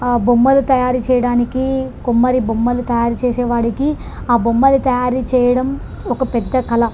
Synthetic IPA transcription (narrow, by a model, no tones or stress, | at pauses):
bumːɐlut̪ɐjaːɾit͡ʃɛːjɐɽaːnikikumːɐɾibumːɐlut̪ɐjaːɾut͡ʃeːsɛːʋaːɽiki | aːbumːɐlut̪ɐjaːɾit͡ʃɛːjɐɽɐm | ɔkɐpɛd̪ːɐkɐlɐ